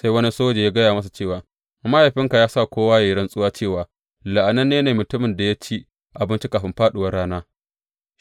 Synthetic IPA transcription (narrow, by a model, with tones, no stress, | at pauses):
sa˦jwɐ˦ni˦soː˦d͡ʒeː˨jaː˦ɡɐ˦jaː˨mɐ˦s̬a˨t͡ʃeː˦˨waː˨ | ma˦ja˨ɸɪ˦ŋka˨jaː˦sa˦˨kʷoː˦waː˦ja˨jɪ˦ɽɐ˦nsʼʊ˦waː˦t͡ʃeː˦˨waː˨ | la˨ʔa˨nɐ˦nːeː˦neː˨mʊ˨tʊ˦mɪ˨nda˨ja˦t͡ʃi˦ | ʔa˨bɪ˦nt͡ʃi˦kaː˨ɸɪ˦mɸaː˦ɗʊ˨wɐ˦rɽaː˦naː˦